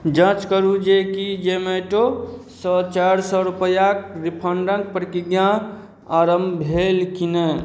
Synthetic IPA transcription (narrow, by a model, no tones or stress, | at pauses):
d͡ʒə̃t͡ʃkəɾud͡ʒekid͡ʒemeʈosɔt͡ʃaɾsɔɾupəjakɾipʰəɳɖə̃ŋk̚pɾəkiɡjã | aɾəmbʱelkine